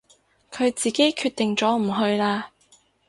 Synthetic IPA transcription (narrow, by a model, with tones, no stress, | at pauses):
kʰɵ˨˧ɥt͡siː˨ke˨˥jkʰyː˧t̪ɪ˨ŋt͡sɔː˨˥m̩˨˩ɦɵ˧ɥlaː˧